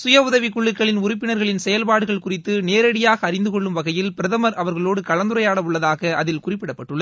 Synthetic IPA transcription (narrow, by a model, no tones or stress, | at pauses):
sʊjɐʊðɐʋɪkʊɭːɯkːɐɭɪnʊɾɪpːɪnɐɾɣɐɭɪnsɛjɐlpaːɽɯɣɐɭkʊrɪt̪ːɯneːɾɐɽɪjaːɣɐːrɪnd̪ɯkɔɭːɯmʋɐɣɐjɪlpɪɾɐðɐmɐɾɐʋɐɾɣɐɭoːɽɯkɐɭɐnd̪ɯɾɐjaːɽɐʊɭːɐðaːɣɐʔɐðɪlkʊrɪpːɪɽɐpːɐʈːɯɭːɐð